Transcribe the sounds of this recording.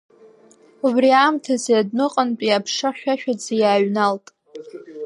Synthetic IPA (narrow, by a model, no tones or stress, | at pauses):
ubriamtʰazeadnɨqʼənpʼiapʰʂaħʷᶣaʃᶣad͡zijaːɥnaltʼ